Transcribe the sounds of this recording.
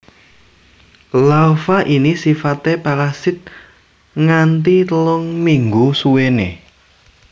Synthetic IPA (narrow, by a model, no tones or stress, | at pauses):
laufaʔinisifat̪epaɾasɪt̪̚ | ŋant̪it̪əlɔŋmiŋɡusuwenḛ